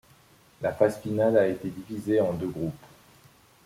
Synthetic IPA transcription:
lafasfinalaet̪ed̪ivizeɑ̃d̪øɡʁup

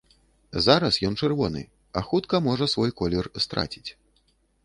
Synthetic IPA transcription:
zaɾɐsjɔnt͡ʂɛrvɔnɨ̰ | ɐxut̪kɐmɔʐɐsvɔjkɔlʲɛrst̪ɾa̰t͡sʲi̥t͡sʲ

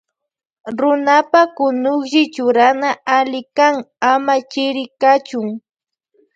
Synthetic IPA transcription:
ɾʊnapakʊnʊχʒɪt͡ʃʊɾanaalɪkaŋamat͡ʃɪɾɪkat͡ʃʊŋ

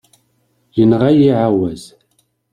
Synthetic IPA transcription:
jənʁajiʕawæz̥

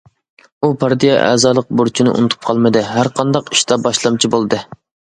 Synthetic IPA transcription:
upʰɑɾd̪ijɑʔɛ̰ːzɑːlˠəq̚boɾt͡ʃʰinɨʔṵnɨt̪ʰup̚qʰɑlˠmɨd̪ɨɦæɾqʰɑnd̪ɑqi̥ʃt̪ɑbɑʃlˠɑmt͡ʃʰibolˠɨd̪ɨ

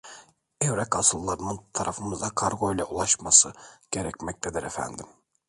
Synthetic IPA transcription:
ɛvɾɛkasɯlˠːaɾɯnɯnt̪ʰaɾʔafɯmɯzd̪akʰaɾɡo̞jlʲɛulˠaʃmasɯɟ̥eɾɛcmɛc̚t̪ʰed̪iɾɛfæ̰nd̪im

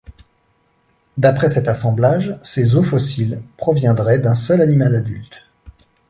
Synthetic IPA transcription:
d̪apχɛsɛt̪asɑ̃blaʒsezofɔsilpχɔvjɛ̃d̪ʁɛd̪ɛ̃sœlanimalad̪ylt̪

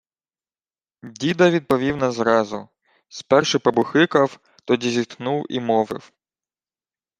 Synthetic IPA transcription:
dʲid̪ɐʋʲid̪̚pɔʋʲiwnɐzɾɑzʊ | spɛrʃɪpɐbʊxɪkɐw | t̪ɔdʲizʲit̪knuwḭmɔʋɪ̰w

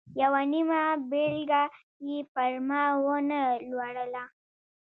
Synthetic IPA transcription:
jawanimabelɡa | ipəɾmawonəlwaɽəla

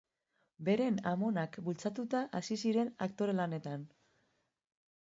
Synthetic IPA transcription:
be̞ɾe̞namo̞nakbult͡sat̪ut̪aʔasisiɾe̞nakt̪o̞ɾe̞lane̞t̪an

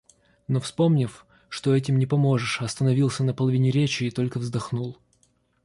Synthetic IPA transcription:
no̞fspo̞mnʲɪf | ʂt̪oɛtʲɪmnʲɪpɐmo̞ʐɨʂɐst̪ənɐvʲilˠsʲənəpəlˠɐvʲinʲɪɾʲet͡ɕɪːt̪o̞lʲkəvzd̪ɐxnulˠ

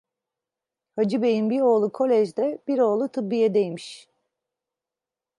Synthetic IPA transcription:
had͡ʒɯbe̞jinbiɾo̞ːlˠukʰo̞lʲɛʒd̪ɛb̥iɾo̞ːlˠut̪ʰɯbːijɛd̪ejmiʃ

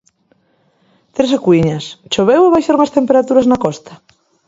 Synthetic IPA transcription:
t̪ɾesakuiɲɐst͡ʃoβeweβajʃaɾuŋɐst̪empeɾat̪uɾɐznakɔst̪ɐ̥

